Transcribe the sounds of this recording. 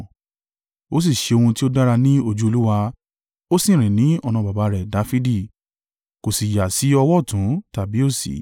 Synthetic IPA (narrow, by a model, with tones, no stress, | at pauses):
o˦s̬i˦˨ʃe˧o˧hũ˧ti˦o˦da˦ɾa˧nĩ˦o˧d͡ʒu˦o˧lu˦wa˧ | o˦sĩ˦˨ɾ̃ĩ˨nĩ˨˦ɔ˧nã˧ba˨ba˨˧˦ɾɛ˨da˨˦fi˦di˦˨ | ko˨si˨ja˨si˨˦ɔ˧wɔ˦˨tũ˨˦ta˨bi˨˦o˦˨sḭ˨